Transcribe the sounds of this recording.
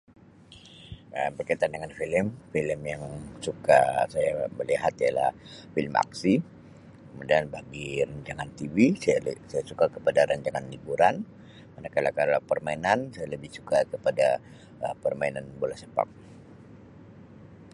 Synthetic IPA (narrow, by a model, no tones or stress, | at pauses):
ʔəmbərkait̪andəŋanfiləmfiləmjaŋsuka̰sajaməliɦat̪iala̰hfiləma̰ksi | kəmudianbaɡiɾaɲd͡ʒaŋant̪ivisasajasukakəpadaɾaɲd͡ʒaŋanlibuɾan | manakalakaɾlapərmainansajaləbɪhsukakəpada̰ | əpərmainanbolasəpa̰k̚